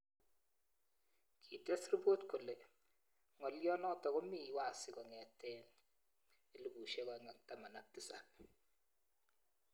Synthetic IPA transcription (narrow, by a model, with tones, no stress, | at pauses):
kʰi˨te˦sri˦bo˦tku˨le˨ | ŋɔ˨ljɔ˦nɔ˦tɔ˨ɣo˦mi˦˨wa˨sɪ˨kɔ˨ŋɛ˨tɛ˦n | i˦lu˨bu˨ʃe˦kɔ˨ŋa˦k̚ta˨ma˨na˨k̚ti˦sa˨